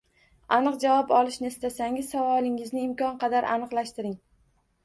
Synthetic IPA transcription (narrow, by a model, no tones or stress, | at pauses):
anɨqd͡ʒavɒpɒlˠɪʃnɪest̪asaŋɪzsavɒlˠɪŋɪznɪɪmkʰʲɒnqʰɑd̪aɾʔa̰nɨqlˠaʃt̪ɪɾɪŋ